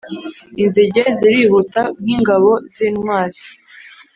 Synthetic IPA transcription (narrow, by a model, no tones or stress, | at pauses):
inziɟeziɾihutabɡiːŋɡaβo̞ziːnwaːɾi